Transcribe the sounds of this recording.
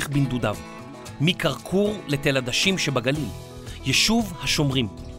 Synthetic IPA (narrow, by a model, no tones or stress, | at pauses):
χbind̪udav | mikaʁkʰuʁlet̪elad̪aʃimʃebaɡalil | jeʃuvhaʃo̞mʁim